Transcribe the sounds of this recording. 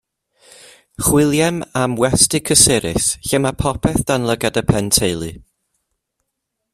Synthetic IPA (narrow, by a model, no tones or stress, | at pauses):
χwɪlˠjɛmamwɛstɪkʰəsɪɾɪ̰sɬɛmapʰɔpʰɛθd̥anlˠəɡadəpʰɛntʰejlˠɨ